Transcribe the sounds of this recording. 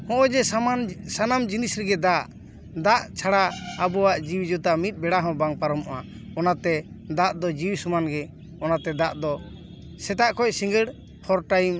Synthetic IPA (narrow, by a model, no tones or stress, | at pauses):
hɔ̃ʔɔ̃d͡ʒɛsaansanamd͡ʒinisɾɛɡɛd̪aʔ | d̪aʔt͡ʃʰaɽaabɔwaʔd͡ʒiwid͡ʒɔt̪amit̪̚bɛɽaɦɔ̃baŋpaɾɔmɔʔa | ɔnat̪ɛ | d̪aʔd̪ɔd͡ʒiwsumanɡɛ | ɔnat̪ɛd̪aʔd̪ɔ | sɛt̪aʔkɔcsĩŋɡəɽ | hʰɔɾʈajm